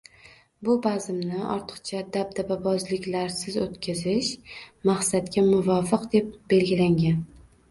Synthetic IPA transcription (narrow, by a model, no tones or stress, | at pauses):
bʊbazɪmnɪɒ̰ɾt̪ʰɨ̥qt͡ʃʰad̪ab̚d̪ababɒzlɪkʲlaɾsɪzot̪kʲʰazɪʃmaχsat̪kʲamʊvɒfɨqd̪e̞p̚be̞lɡʲɪlaŋɡʲan